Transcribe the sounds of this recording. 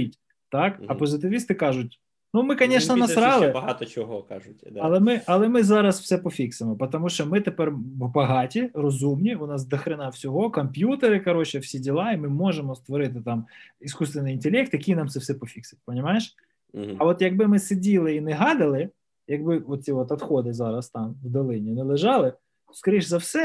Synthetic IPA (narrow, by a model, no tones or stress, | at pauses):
itʲ | t̪ɑkɐpɔzɪt̪ɪʋʲist̪ɪkɑʒʊtʲ | numɪkɐnʲɛʃnɐnɐsɾɑlˠɪbɐɦɑt̪ɔt͡ʃɔɦɔkɑ̰ʒʊd̪ɐlˠɛmɪʔɐlˠɛmɪzɑɾɐsw̥sɛpɔfʲiksemɔpɐt̪ɔmuʃt͡ʃɔmɪt̪epɛrbɐɦɑtʲirɔzumnʲiʊnɑsd̪ɐxɾɪnɑwsʲɔɦɔkɔmpʲjut̪eɾɪkɐɾɔt͡ʃɛwsʲidʲilˠɑimɪmɔʒemɔst̪ʋɔɾɪt̪̬ɪt̪ɑmiskust̪ʋʲɪnɪjint̪elʲɛk̚t̪jɐkʲijnɑmt̪sɛwsɛpɔfʲiksɪt̚ʲpɔnʲimɑjeʃ | ɐʋɔt̪jɐɡbɪmɪsedʲilˠɪinɛɦɑd̪ɐlˠɪ | jɐɡbɪɔt̪̚ʲt͡sʲiɔt̪ɐt̪xɔd̪ɪzɑɾɐst̪ɑmwd̪ɔlˠɪnʲinɪlˠɪʒɑlˠɪ | ɔskɐɾʲiʃzɐwsɛ